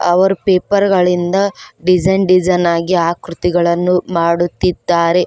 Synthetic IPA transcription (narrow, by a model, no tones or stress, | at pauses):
ɐ̰ʋɐɾupeːpɐɾɡɐɭind̪ɐɖid͡ʒɐjnɖid͡ʒɐjnaːɡiaːkɾut̪iɡɐɭɐnːumaːɽut̪ːid̪ːaːɾe̞